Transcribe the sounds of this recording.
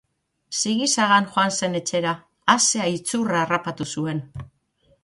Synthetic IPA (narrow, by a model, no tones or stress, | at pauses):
siɣisaɣanʝoanse̞ne̞t͡ʃe̞ɾaː | seait͡suraːrapat̪usue̞n